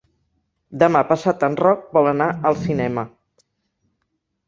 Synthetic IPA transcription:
d̪əmapəsat̪ənrɔk̚bɔlˠənaəlˠsinɛmə

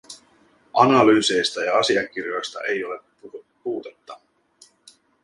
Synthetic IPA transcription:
ʔɑ̰nɑlyːse̞jst̪ɑjɑɑsiɑk̟irjo̞jst̪ɑ̰ʔe̞jo̞le̞ | puːt̪et̪ːɑ

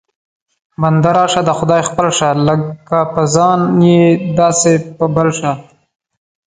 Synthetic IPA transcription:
band̪aɾɑʃad̪əxʊd̪ɑjxpəlʂaləkapəzɑnjed̪ɑsepəbəlʂa

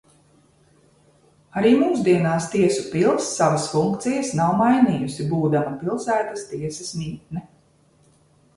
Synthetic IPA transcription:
aɾiːmuːsd̪iɛnaːst̪iɛsupilˠsːavasfuŋkt̪sijɐsnawmajniːjusibuːd̪amɐpilˠsæːt̪ast̪iɛsɐsnʲiːt̪̚nɛ

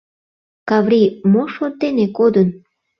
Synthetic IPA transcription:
kɑβɾimoʃort̪enekod̪ən

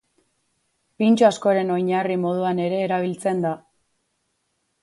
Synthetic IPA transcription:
pint͡ʃoasko̞ɾe̞no̞jɲarimo̞ð̞uane̞ɾe̞ːɾaβ̞ilt͡se̞nd̪a

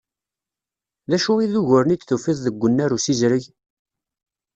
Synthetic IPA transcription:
ðæʃuiðuʝʊɾənit͡sθufiðˤðəɡʷːənːæɾusizɾəʝ

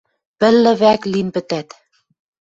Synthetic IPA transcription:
pɘ̆lːɘ̆βæklinpɘ̆t̪æt̪

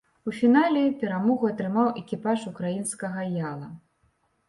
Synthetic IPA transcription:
ufʲinalʲɛpʲɛɾamɔɣuɐt̪ɾɨmawɛkʲipaʂukɾajinskɐɣɐjalˠɐ

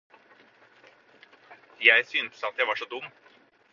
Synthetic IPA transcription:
jæɪsyːnsɑt̪jæɪʋɑʂɔːd̪ʊm

